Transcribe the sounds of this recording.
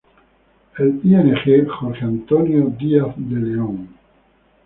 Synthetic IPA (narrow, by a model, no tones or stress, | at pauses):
elieneχeχoɾχeant̪onjod̪iaθd̪eleoŋ